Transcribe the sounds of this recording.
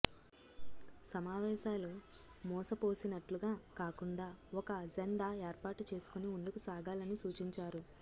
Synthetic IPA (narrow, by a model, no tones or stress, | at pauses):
sɐmaːʋɛːʃaːlu | mɔːsɐpo̞ːsinɐʈluɡaːkaːkuɳɖaːɔkɐd͡ʒeɳɖaːeːɾpaːʈut͡ʃe̞ːsu̥kuniund̪ukusaːɡaːlɐnisuːt͡ʃiɲt͡ʃaːɾu